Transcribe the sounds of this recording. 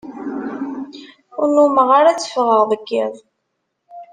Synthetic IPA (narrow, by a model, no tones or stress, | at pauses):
ʊɾnuməʁaɾat͡sːə̥fʁəʁðˤəɡːiðˤ